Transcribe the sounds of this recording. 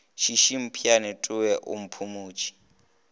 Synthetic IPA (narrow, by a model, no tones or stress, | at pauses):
ʃiʃim̩pʰianɛtʼuwɛʔṵm̩pʰumuːt͡ʃʰʼi̥